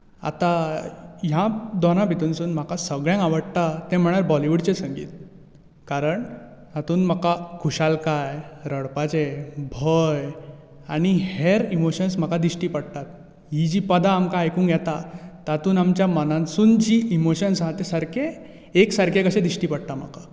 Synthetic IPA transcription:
a̰t̪a | ɦjãd̪ɔnãpit̪unsuːnm̤akasəɡɭjãŋɡaʋəɽt̪at̪ẽm̤əɽ̃aɾbɔliʋuɽt͡ɕesəŋɡḭːt̪̚ | kaɾəɳ | t̪at̪uːnm̤akakʰuɕalkajɾəɽpat͡ɕebʱəj | aɽ̃iheɾimoɕənsm̤akad̪iɕʈiːpəɽt̪at̪̚ | ɦid͡ʑiːpəd̪aːmkaajkũːŋkjɛt̪at̪at̪uːnamt͡ɕjamənãnsuːnd͡ʑiʔimoɕənsɦãt̪esaɾke | eksaɾkekəɕẽd̪iɕʈiːpəɽ̚t̪am̤a̰ka

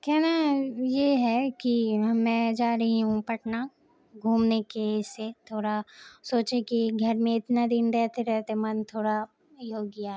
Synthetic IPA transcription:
kɛɦnajeɦɛkimɛ̃ːd͡ʒaːɾɐɦiɦũpɐʈna | ɡʱuːmnekeɪsːet̪ʰoːɽasoːt͡ʃekiɡʱɐɾmẽɪt̪nad̪ɪnɾɛɦt̪eɾɛɦt̪emɐnt̪ʰoːɽa | joːɡjaɦ

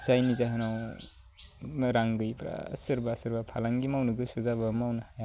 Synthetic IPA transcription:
zajnizaɦɯnaw | ɾaŋɡɯjpʰɾa̰sɯɾbasɯɾbapʰalaŋɡimawnɯɡɯsɯzabamawnaja

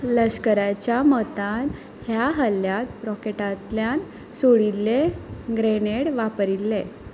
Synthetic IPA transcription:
ləɕkəɾat͡ɕjamət̪ãn | hjaɦəlːjat̪ɾɔkeʈat̪ljan | soɽilːeɡɾeneɽʋapɾilːe

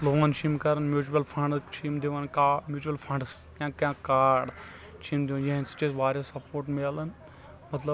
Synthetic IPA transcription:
loʋãːnt͡ʃʰiːmkɐɾɐnmjuːt͡ʃuɐlpʰɐɳɖt͡ʃʰiːmd̪iʋaːnkaːmjuːt͡ʃuɐlpʰɐɳɖs | ãːkjãːkaːɖ | t͡ʃʰiːmd̪iʋaːnjɐɦnsɐ̥t͡ʃesʋaːɾʲjɐsɐpoːɾʈmelɐn | mɐt̪lɐb

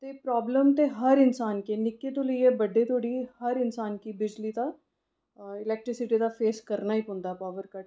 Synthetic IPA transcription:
t̪eːpɾaːbləmt̪eɦəɾɪnsaːnkenɪkːet̪oləiɛbəɖːet̪ʰoːɽihəɾɪnsaːnkibɪd͡ʒlit̪a | ɪlɛːk̚ʈɾɪsɪʈid̪afeːskəɾnaːipʊ̃nd̪aːpaːʋəɾkəʈ

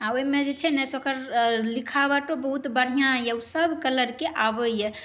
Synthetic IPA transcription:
aoimed͡ʒet͡ʃʰɛnɛsokəɾlikʰabaʈobəɦut̪bəɽ̤ijãjewsəbʱkələɾkeʔabəjɛ

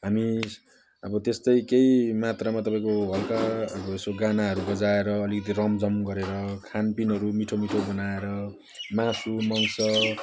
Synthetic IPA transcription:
ɦami | ʌbʌt̪est̪ʌjkejmat̪ramat̪ʌpaĩkoɦʌlkaːbʌesoɡanaɦʌɾubʌd͡zaeɾʌːlikʌt̪̬irʌmd͡zʌmɡʌɾeɾʌkʰanpinɦʌɾumiʈʰomiʈʰobʌnaeɾʌ | masumʌnsʌ

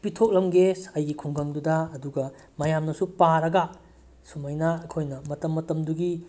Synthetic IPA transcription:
pitʰok̚lɐmɡesɐjɡikʰuŋɡɐŋdudɐɐduɡɐ | mɐjamnɐsupaɾɐɡɐ | sumɐjnaɐkʰojnɐmɐtɐmːɐtɐmduɡi

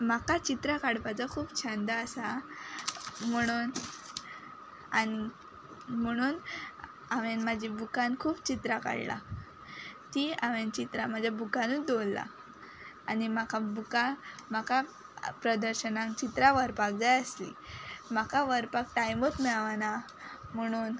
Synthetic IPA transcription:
makat͡ɕit̪ɾakaɽpat͡sakʰuːpt͡ɕʰənd̪aːsa | m̤əɽ̃uːn | a̰ni | m̤əɽ̃uːn | aʋenmad͡ʑʱibukankʰuːpt͡ɕit̪ɾaka̰ɽla̰ | t̪iːaʋent͡ɕit̪ɾam̤ad͡ʑʱjabukanũd̪olːa̰ | animakabukamakʰa | pɾəd̪əɾɕənãŋkt͡ɕit̪ɾaʋəɾpak̚d͡zajəslḭm̤akaʋəɾpak̚ʈajmot̪mɛɭʋana | m̤əɽ̃uːn

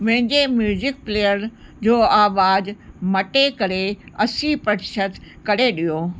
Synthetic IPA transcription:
mɐ̃ɦɪ̃ɲd͡ʑemjuːzɪk̚pleːjəɾd͡ʑoːaːʋaːd͡ʑmɐʈekɐɾeɐsipɾɐʈɪʃət̪ | kɐɽeɗijoː

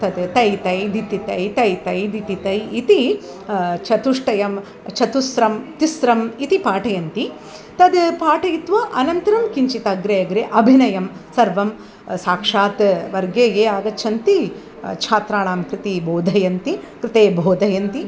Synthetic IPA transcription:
t̪ɐd̪t̪ɐjt̪ɐjd̪it̪it̪ɐjt̪ɐjt̪ɐjd̪it̪it̪ɐjit̪i | t͡ʃʰɐt̪uʂʈɐjɐm | t͡ʃʰɐt̪usɾɐmt̪isɾɐmit̪ipaːʈɐjɐnt̪i | t̪ɐd̪paːʈɐjit̪ʋɐʔɐnɐnt̪ɐɾɐmkiɲt͡ʃit̪ɐɡɾejɐɡɾeʔɐbʱinɐjɐmsɐɾʋɐm | saːkʂaːt̪ʋɐɾɡeːjeːaːɡ̪ɐt͡ʃʰɐnt̪i | t͡ʃʰaːt̪ɾaːɳaːmkɾɪt̪ibʱoːd̪ʱɐjɐnt̪ikɾɪt̪eːbʱoːd̪ʱɐjɐnt̪i

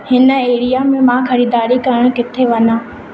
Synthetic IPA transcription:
hɪnə̆eːɾijamẽmãxɐɾiːd̪aːɾikɐɾəɽ̃kɪt̪ʰeʋɐɲãː

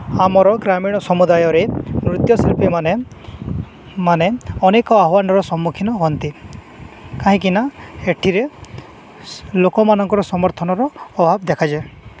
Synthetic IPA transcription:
amɔɾɔɡɾamiɽ̃ɔsɔmud̪ajɔɾenɾut̪jɔsilpimane | maneɔnekɔaɦwanɔɾɔsɔmːukʰinɔɦɔnt̪i | kaɦĩkinaeʈʰiɾe | lokɔmanɔŋkɔɾɔsɔmɔɾt̪ʰɔnɔɾɔːbʱabd̪ekʰad͡ʒa

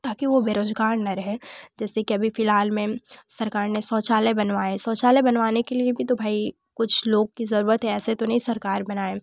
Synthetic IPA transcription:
t̪aːkiʋobeːɾoːzɡaːɾnɐɾɐɦẽd͡ʒɛːsekiɐbʱifɪlɦaːlmẽsɐɾkaːɾnesɔːt͡ʃaːlebɐnʋaːesɔːt͡ʃaːlebɐnʋaːnekeliebʱit̪obʱaːi | kʊt͡ʃʰloːɡ̚kizɐɾuːɾət̪ɦɛɛːset̪onɐɦĩsɐɾkaːɾbɐnaːeː

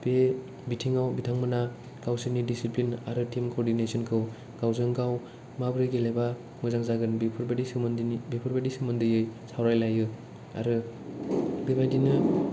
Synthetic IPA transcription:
b̥e | bitʰiŋawbitʰaŋmɯna | ɡ̥awsinidisiplina̰ɾɯtimkoɾdinesɔnkʰɯw | ɡ̥awzɯŋɡaw | mabɾɯjɡeleba | mujzaŋzaɡɯnbipʰɾbadismndbepʰɯɾbadisimɯndɯjɯjsawɾajlajɯ | a̰ɾɯ | bebajdinɯ

